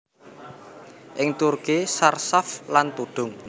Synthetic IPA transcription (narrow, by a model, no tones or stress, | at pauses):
ʔɪŋt̪urkisarsaflant̪uɖ̪̥ʊŋ